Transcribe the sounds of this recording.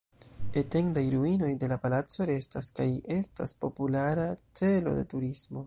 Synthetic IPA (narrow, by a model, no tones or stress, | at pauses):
ete̞ŋdajɾuino̞jde̞lapalat͡so̞ɾe̞staskaje̞sta̰spo̞pulaɾat͡se̞lo̞̰de̞̰tuɾismo̞